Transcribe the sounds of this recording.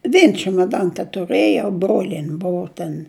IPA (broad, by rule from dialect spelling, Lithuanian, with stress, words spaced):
ˈʋʲiɛn t͡ʃʲɛmoːˈdɐn tʲɛtʊˈrɘjɛʊ ˈbroːlʲiɛnʲ ˈbʊʊ tʲɛn